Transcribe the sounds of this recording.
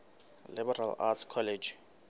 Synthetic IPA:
libɛɾa̰la̰tskʰɔled͡ʒ

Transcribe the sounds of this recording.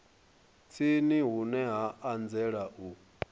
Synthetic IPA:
t͡sʰiniɦunɛɦaand͡zɛɺaʔu

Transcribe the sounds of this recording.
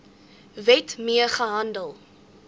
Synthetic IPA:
vɛtmiəχəɦɐndəlˠ

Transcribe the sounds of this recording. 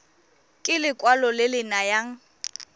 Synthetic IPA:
kʼɪlɪkʼwalɔlɪlɪnajaŋ̩

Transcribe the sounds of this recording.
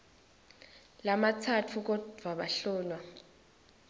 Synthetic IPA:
lamat͡sʰatʰuk̬ɔd̥ʱwaɓaɬɔːnwa

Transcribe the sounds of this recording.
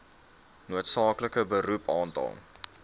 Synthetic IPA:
nuətsɑːkləkəbəɾupʰɑːntɑ̰lˠ

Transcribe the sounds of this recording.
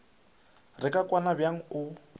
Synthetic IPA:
rɪkʼakʼwanabjaŋ̩ʊ

